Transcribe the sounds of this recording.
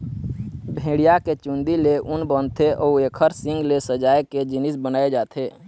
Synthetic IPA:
bʱẽːɽijaket͡ʃũnd̪ileʔʊnbɔ̃ːnt̪ʰeʔɔueːkʰəɾsɪ̃ŋɡlesəd͡ʒaːeked͡ʒɪnɪsbənaːed͡ʒaːt̪ʰeː

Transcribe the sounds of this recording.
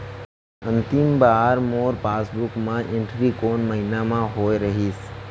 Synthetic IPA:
ə̃nt̪ɪmbaːɾmoːɾpaːsbukmãʔɪ̃ɳʈɾikoːnməɦinamãɦoːjɾəɦis

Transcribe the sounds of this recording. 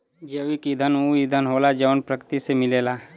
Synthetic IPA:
d͡ʒəʋikid̪ʱənũid̪ʱənɦoːlad͡ʒəʋənpɾəkt̪isemɪleːlaː

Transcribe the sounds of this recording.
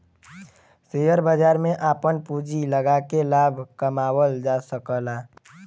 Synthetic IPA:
sejəɾbəd͡ʒaːɾmẽʔaːpənpud͡ʒiləɡakelaːbʱkəmaːwəld͡ʒasəkəlaː

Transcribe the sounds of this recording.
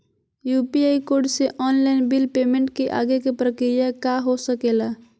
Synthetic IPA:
jupiajkoɖseʔɔnlaɪnbilpemẽɳʈkeʔa̰ɡekepɾəkɾijakaɦosəkela

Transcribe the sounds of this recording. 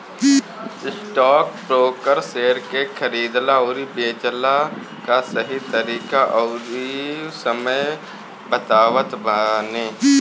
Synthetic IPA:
ɪsʈɔːk̚pɾoːkəɾseːɾkekʰəɾiːd̪laoːɾibeːt͡ʃla | kasɐɦit̪əɾiːkaʔɔːɾisəməj | bət̪aːʋət̪banẽː

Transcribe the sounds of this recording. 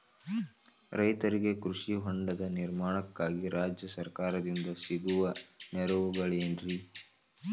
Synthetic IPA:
ɾɐjt̪ɐɾiɡe̞kɾuʂiɦoɳɖɐd̪ɐniɾmaːɳɐkːaːɡiɾaːd͡ʒjɐsɐɾkaːɾɐd̪ind̪ɐsiɡuʋɐnɛɾuʋuɡɐɭenɾi

